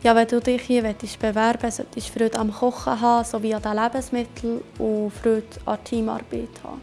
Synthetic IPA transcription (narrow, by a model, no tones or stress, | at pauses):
jɑʋɛd̪uːd̪ɪχhiːʋɛt̪ɪʃb̥ɛvæɾb̥əsœ̰t̪iʃfɾøːt̪ɑmχɔχəɦɑːsoviːɑd̥̪ælæbəsmɪt̪ʰl̩ʊfɾøːt̪ɑ̰tʰiːmɑ̰ːɾb̥eːt̪hɑ̰ː